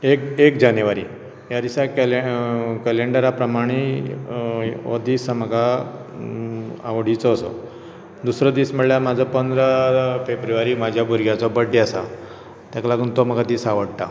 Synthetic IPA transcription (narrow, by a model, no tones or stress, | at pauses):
ekekd͡ʑanjuʋaɾḭ | jad̪isakekəleɳɖəɾapɾəmaɽ̃i | ɔd̪iːsaməɡʱa | a̰ʋɽ̤it͡sɔːsɔ̰ | d̪usɾəd̪iːsməɭljamad͡zʱɔpənd̪ɾafebɾuʋaɾiːmad͡ʑʱjabʱuɾɡjat͡sɔbəɖːiasa | t̪jaklaɡuːnt̪ɔməɡad̪iːsaʋəɽt̪a